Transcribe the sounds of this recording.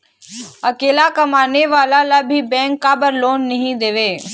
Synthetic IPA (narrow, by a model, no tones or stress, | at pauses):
ɐkeːlakɐmaːneʋaːlalabʱibɛ̃ːŋkːabəɾloːnːɐɦĩd̪eːʋeː